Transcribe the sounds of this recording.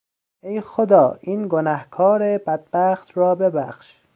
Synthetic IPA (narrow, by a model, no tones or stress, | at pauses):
ejxod̪ɒːʔiːnɡonæhkʰɒːɾebæd̪̚bæːxt̪ɾɒːbebæxʃ